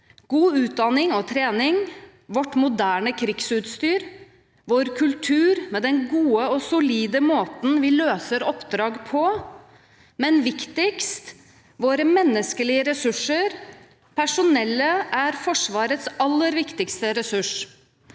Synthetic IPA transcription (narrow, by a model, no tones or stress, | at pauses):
ɡ̥uːʉːt̪̚d̪ɑnɪŋɔt̪ʰɾeːnɪŋ | ʋɔʈːmʊd̪æːɳəkʰɾɪksʉːt̪st̪yːɾ | ʋoːɾkʰʉlt̪ʰʉːɾmɛːd̪ɛnɡuːəɔsʊliːd̪əmoːt̪n̩ʋɪløːsəɾɔpd̪ɾɑːɡpʰɔ | mɛnʋɪkt̪ɪkst̪ | ʋoːɾəmɛnːəskəlɪəɾɛsʉʂəɾ | pʰæʂʊnɛlːəʔæɾfɔʂʋɑːɾət̪sɑlːəɾʋɪkt̪ɪkst̪əɾɛsʉʂ